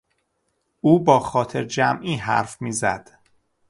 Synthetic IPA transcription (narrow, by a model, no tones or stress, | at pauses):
ʔuːbɒːxɒːt̪ʰe̞ɾd͡ʒæmʔiːɦæ̰ɾfmiːzæd̪̥